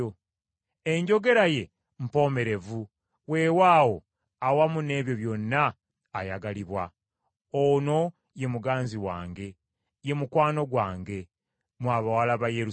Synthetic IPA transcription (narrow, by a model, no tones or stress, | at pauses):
o | e̞ɲɟo̞ɡe̞ɾaje̞ | m̩po̞me̞ɾe̞vu | we̞ːwaːwo̞ | awamune̞ːβjo̞βjo̞nːaː | jaɡaliβwa | ono̞ | je̞muɡaːnziwa̰ːŋɡe̞ | je̞mukwaːno̞ɡwaːŋɡe̞ | mwaβawalaβajeɾu